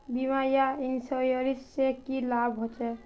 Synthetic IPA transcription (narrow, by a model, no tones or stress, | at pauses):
bimajainsɔjɔɾissekilabʱɦot͡ʃɛ